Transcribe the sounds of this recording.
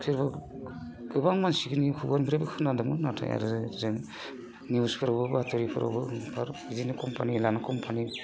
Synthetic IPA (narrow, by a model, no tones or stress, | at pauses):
kʰɯɾbɯ | ɡɯbaŋmansiɡɯnikʰuɡanbʰiɾabɯkʰɯnadɯmɯnatʰa̰ja̰ɾɯzzeŋ | niuspʰɯɾɔbɯbatʰɔɾipʰɯ̰ɾɔ̰bɯpʰaɾizinɯkɔmpʰanilanakɔmpʰani